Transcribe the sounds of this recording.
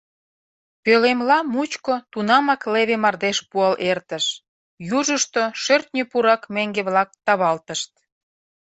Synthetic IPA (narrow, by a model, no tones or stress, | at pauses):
pølemlɑmut͡ɕkot̪unɑmɑkleβemɑrd̪eʃpuɑlʔert̪əʃ | juʒəʃt̪oʃørt̪̚nʲøpuɾɑkmeŋɡeβlɑk̚t̪ɑβɑlt̪əʃt̪̚